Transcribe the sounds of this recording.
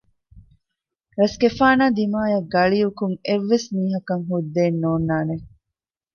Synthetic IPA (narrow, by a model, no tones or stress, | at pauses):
ɾɐsɡefaːnaːd̪imaːjɐɡɐɭiukuŋeʋːesmiːɦɐkɐŋɦud̪ːeːnːoːnːaːne